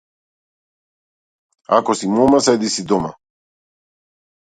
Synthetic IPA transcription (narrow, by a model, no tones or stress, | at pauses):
a̰kɔsimɔmasɛd̪isid̪ɔma̰